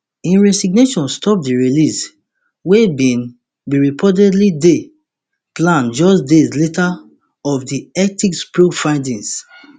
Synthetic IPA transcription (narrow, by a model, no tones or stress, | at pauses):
ĩnɹɛsiɡneʃɔ̃nstɔp̚diɹilis | webĩn | biɹipʰɔdɛdlide | plãnd͡ʒɔsdezleta | ɔfdiɛtikspɹofãndĩns